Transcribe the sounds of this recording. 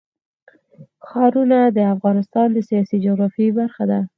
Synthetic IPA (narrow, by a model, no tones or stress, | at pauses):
xɑɾunad̪əafɣɑnɪst̪ɑnd̪əsijɑsid͡ʒoɣɾɑfibaɾxad̪a